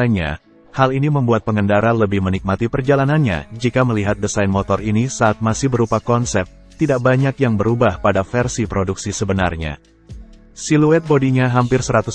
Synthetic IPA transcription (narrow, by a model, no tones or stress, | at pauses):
ɲa̰ | haliniməmbuat̪̚pəŋəndaɾanləbɪhmənik̚mat̪ipərd͡ʒalananɲa̰d͡ʒikaməliɦat̪̚dəsajnmot̪ɔrinisaːt̪̚masɪhbəɾupakɔnsɛp̚t̪ | t̪ːidaʔ̚baɲakjaŋbəɾubahpadafɛrsipɾoduksisəbəna̰rɲa̰ | siluɛt̪̚bodiɲaɦampɪrsəɾat̪u